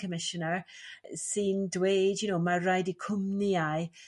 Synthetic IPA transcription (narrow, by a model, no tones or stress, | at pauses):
kəmɪʃɔnəɹsɪndweːdjʊnoːmaɾajdikʰʊmniaj